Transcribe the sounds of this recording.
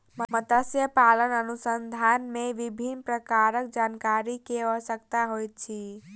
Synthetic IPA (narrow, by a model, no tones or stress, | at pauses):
məmət̪əsjəpalənənusənd̪ʱanmeʋibʱinpɾəkaɾək̚d͡ʒankaɾikeʋəsəkt̪aɦojt̪̚t͡ʃʰi